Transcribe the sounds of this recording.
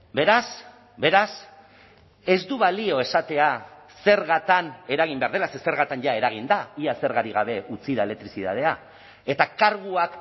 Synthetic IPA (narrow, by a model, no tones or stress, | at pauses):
be̞ɾas | be̞ɾas | e̞zd̪uβalio̞e̞sat̪e̞a | se̞ɾɣat̪ane̞ɾaɣ̞imbeaɾð̞e̞lasese̞ɾɣat̪anʝae̞ɾaɣ̞ind̪aiase̞ɾɣaɾiɣ̞aβ̞e̞ut͡siðaele̞k̚t̪ɾisiða̰ð̞e̞a | e̞t̪akaɾɣuak